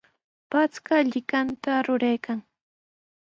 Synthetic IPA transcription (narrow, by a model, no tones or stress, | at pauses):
pat͡skaʎɪkant̪aɾʊɾajkaŋ